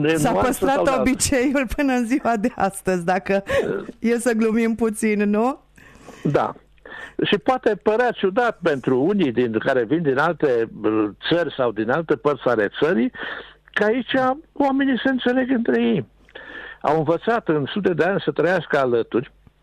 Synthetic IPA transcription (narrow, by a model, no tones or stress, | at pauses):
nessapəst̪ɾaobit͡ʃe̞julpɨnəɨnziwad̪e̞ʔa̰st̪əzʲd̪akəjesəɡlumimput̪sinnu | d̪a̰ | ʃipoat̪e̞pəɾeat͡ʃud̪at̪pe̞nt̪ɾuunid̪inkaɾe̞vind̪inalt̪e̞t̪sərʲsawd̪inalt̪epərt̪sale̞t̪səɾikəait͡ʃʲawame̞nise̞ɨnt̪se̞le̞ɡɨnt̪ɾe̞je̞j | a̰wɨnvət̪sat̪ɨnsut̪̬e̞d̪eanʲsət̪ɾəjaskəalət̪urʲ